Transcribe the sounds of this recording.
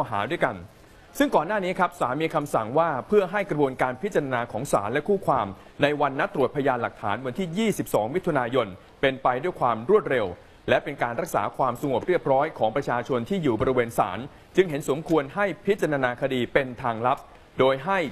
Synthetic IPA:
ɔ˧ɦa̰ː˩˦du˥˩əjka˧n | sɯ˥˩ŋkɔː˨˩nːaː˥˩niː˦˥kʰɾa˦˥p̚saː˩˦nmiː˧kʰa˧msa˨˩ŋwaː˥˩pʰɯ˥˩ɐɦa˥˩jkɾa˧bu˧ənkaː˧npʰi˦˥t̪̚t͡ɕa˧ɾa˧naː˧kʰɔː˩˦ŋsa̰ː˩˦nlɛ˦˥kʰuː˥˩kʰwaː˧m | na˧jwa˧nːa˦˥t̪ːɾu˨˩ət̪̚pʰa˧jaː˧nla˨˩k̚t̪ʰaː˩˦nwa˧nt̪ʰiː˥˩jiː˥˩si˨˩p̚sɔː˩˦ŋmi˦˥t̪ʰːu˧naː˧jo˧n | pe˧npa˧jdu˥˩əjkʰwaː˧mɾu˥˩ət̪̚ɾe˧w | lɛ˦˥pe˧nkaː˧nɾa˦˥k̚sa̰ː˩˦kʰwaː˧msa˧ŋo˨˩p̚ɾi˥˩əp̚ɾɔː˦˥jkʰɔː˩˦ŋpɾa˧t͡ɕʰaː˧t͡ɕʰo˧nt̪ʰiː˥˩juː˨˩bɔː˧ɾi˦˧weː˧nsa̰ː˩˦n | t͡ɕɯ˧ŋɦe˩˦nso˩˦mkʰu˧ənɦa˥˩jpʰi˦˥t̪̚t͡ɕa˧ɾaː˧naː˧kʰa˧diː˧pe˧nt̪ʰaː˧ŋla˦˥p̚ | doː˧jɦa˥˩j

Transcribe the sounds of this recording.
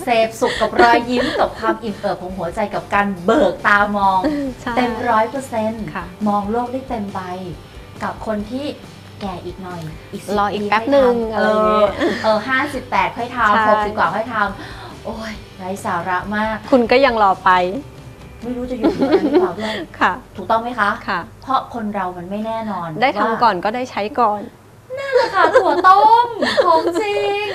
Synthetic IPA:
seː˨˩p̚su˨˩kːa˨˩p̚ɾɔː˧jːi˦˥mka˨˩kʰwaː˧mʔi˨˩ŋʔɤː˨˩p̚ʰːo˨˧˦ŋɦu˩˦ɐt͡ɕa˧jka˨˩p̚kaː˧nbɤː˨˩k̚t̪aː˧mɔː˧ŋt̪e˧mɾɔː˦˥jpɤː˧se˧nʰmɔː˧ŋloː˥˩k̚daː˥˩jt̪e˧mpa˧j | ka˨˩p̚kʰo˧nt̪ʰiː˥˩ | kɛː˨˩ʔiː˨˩k̚nɔ˨˩jʔiː˨˩k̚slɔː˧ʔiː˨iː˧pɛ˦˥˩nɯ˨˩˧ŋ˧əː˧˦˥ʔɤː˨˩ɦaː˥˩si˨˩pːɛː˨˩t̪̚kʰɔː˥˩jt̪ʰa˧mho˨˩ksi˨˩p̚kwaː˨˩kʰɔː˥˩jt̪ʰa˧m | ʔoː˧˥˩j | ɾa˧jsaː˩˦ɾa˦˥ʔmaː˥˩k̚kʰːu˧nkɔː˥˩ja˧ŋlɔː˧pa˧j | ma˥˩jɾuː˦˥t͡ɕa˨˩ju˨˧˨duː˥˩əkʰa˥˩t̪ʰuː˨˩k̚t̪ɔ˥˩ŋma˦˥jkʰa˦˥kʰa˥˩pʰɾɔ˦˥kʰo˧nɾa˧wma˧nma˥˩jnɛː˥˩nɔː˧ndaː˥˩jkʰa˧mkɔː˨˩nkɔː˥˩daː˥˩jt͡ɕʰa˦˥jkɔː˨˩n | niː˥la˧˩kʰa˥˩t̪u˨˩ət̪o˥˩˥mʰo˧˥ŋsi˧˥˧

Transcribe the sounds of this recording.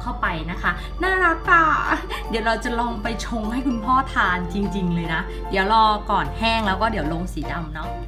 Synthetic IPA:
kʰa˥˩wpa˧jna˦˥kʰa˦˥ | naː˥˩ɾa˦˥kːaː˥˩ | di˨˩˦wɾa˧wt͡ɕa˨˩lɔː˧ŋpa˧jt͡ɕʰo˧ŋha˥˩jkʰu˧npʰɔː˥˩t̪ʰaː˧nt͡ɕi˧ŋt͡ɕi˧ŋlɤː˧jna˦˥ | di˨˩˦əwlɔː˧kɔː˨˩nhɛː˥˩ŋlɛː˦˥wkɔː˥˩di˨˩˦wlo˧ŋsiː˩˦da˧mnɔ˦˥

